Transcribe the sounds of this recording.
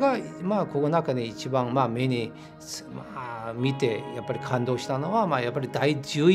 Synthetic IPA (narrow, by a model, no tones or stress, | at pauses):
ɡamakokonakaɲiːt͡ɕibãŋmamʲeɲi | smamʲit̪e̞japːaɾʲikʰãnd̪o̞ːɕi̥t̪ano̞βamajapːaɾʲid̪aid͡ʑɨː